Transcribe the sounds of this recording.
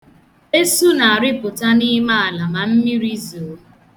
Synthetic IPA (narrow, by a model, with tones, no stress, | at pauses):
e˦su˦na˨a˨ɾɪ˦pʊ˨ta˦ni˦ma˦a˨la˨ma˨m̩˦mi˦ɾi˦zo˨˦